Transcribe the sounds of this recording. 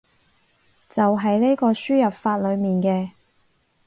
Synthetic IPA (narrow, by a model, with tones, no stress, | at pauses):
t͡sɐ˨wɦɐ˨jne˥kɔː˧syː˥jɐ˨p̚faː˧t̚lɵ˨˧ɥmiː˨˩nkɛː˧